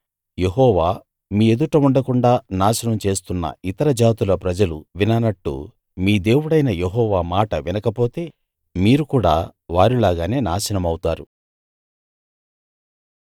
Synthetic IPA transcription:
je̞ɦɔːʋaː | miːe̞d̪uʈɐmuɳɖɐkuɳɖaːnaːʃɐnɐmt͡ʃe̞ːst̪unːɐ̰it̪ɐɾɐd͡ʒaːt̪ulɐpɾɐd͡ʒɐluʋinɐnɐʈːṵ | miːd̪e̞ːwuɽɐjnɐjeɦɔːʋaːmaːʈɐʋinɐkɐpo̞ːt̪e̞ː | miːɾukuːɽa̰ːʋaːɾilaːɡaːne̞ːnaːʃɐnɐmɐwut̪aːɾu

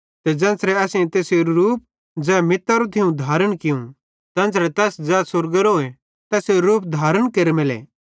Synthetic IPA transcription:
t̪ɛd͡zɐ̃ːnsɾɛɐsĩt̪eːseɾɾuːp̚ | d͡zɛːmɪt̪ːɐɾot̪ʰɪũd̪ʱaːɾəɽ̃kɪũ | t̪ɐ̃ːnsɾɛt̪ɛːsd͡zɛːsʊɾɡəɾoːe | t̪ɛːseɾuːp̚d̪ʱaːɾəɽ̃keɾemɪlɛ̰ː

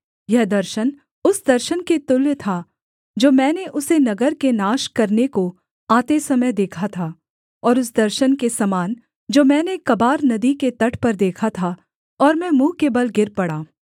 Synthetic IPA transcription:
jɛɦd̪ɐɾʃən | ʊsd̪ɐɾʃənket̪ʊlt̪ʰa | d͡ʒoːmɛ̃ːneʔʊsenɐɡəɾkenaːʃkɐɾneko | aːt̪esɐməjd̪eːkʰat̪ʰaː | ɔːɾʊs̬d̪ɐɾʃənkesɐmaːn | d͡ʒoːmɛ̃ːnekɐbaːɾnɐd̪iket̪ɐʈʰpɐɾd̪eːkʰat̪ʰa | ɔːɾmɛ̃mũːkebɐlɡɪɾpɐɽaː

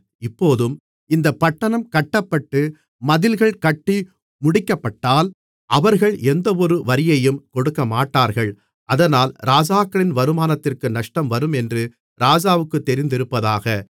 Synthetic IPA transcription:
ɪpːoːðɯm | ɪnd̪ɐpːɐʈːɐɳɐmkɐʈːɐpːɐʈːɯ | mɐðɪlɣɐɭkɐʈːi | mʊɽɪkːɐpːɐʈːaːl | ʔɐʋɐɾɣɐɭɛnd̪ɐɔɾɯʋɐɾɪjɐjɯmkɔɽɯkːɐmaːʈːaːɾɣɐɭ | ʔɐðɐnaːlɾaːd͡ʒaːkːɐɭɪnʋɐɾɯmaːnɐt̪ːɪrkɯnɐʂʈɐmʋɐɾɯmɛndrɯ | ɾaːd͡ʒaːʋɯkːɯt̪ːɛɾɪnd̪ɪɾɯpːɐðaːɣɐ

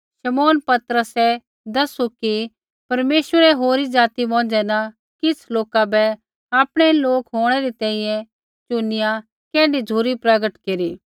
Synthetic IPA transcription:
ʃɐmoːnpɐt̪ɾəsɛ | d̪ɐsuki | pɐɾmeːsʋəɾɛɦoːɾid͡ʒaːt̪ibɔ̃ːd͡ʒɛna | kɪt͡sʰloːkabɛ | aːpɽ̃ɛloːkɦoːɽ̃ɛɾit̪ɛ̃ːĩjɛ̃ | t͡ʃʊnɪjã | kɛ̃ːɖiuːɾipɾɐɡəʈkeːɾiː

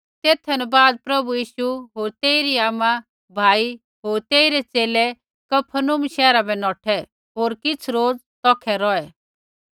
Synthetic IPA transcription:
t̪eːt̪ʰɛnɛbaːd̪̚pɾɐbujiːʃuɦoːɾt̪eːɪɾiaːmã | bʱaːi | ɦoːɾt̪eːɪɾɛt͡seːlɛ | kɐpʰənʊmʃɛːɾabɛnɔːʈʰɛ | ɦoːɾkɪt͡sʰɾoːd͡z | t̪ɔːkʰɛɾɔɛ

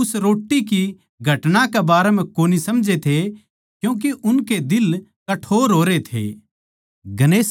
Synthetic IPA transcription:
ʊsɾoːʈːiki | ɡʱɐʈnãkebaːɾem̤ɛ̃koːnisɐmd͡ʒet̪ʰe | kjũːk̬eʔʊnked̪ɪl | kɐʈʰoːɾɦoːɾet̪ʰḛː | ɡɐneːs

